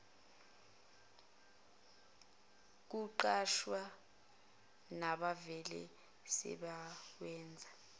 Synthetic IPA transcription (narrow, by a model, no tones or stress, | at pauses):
k̬uǃaʃwa | naɓavɛlɛ̰ | sɛ̰ɓak̬wɛːnd͡zʱa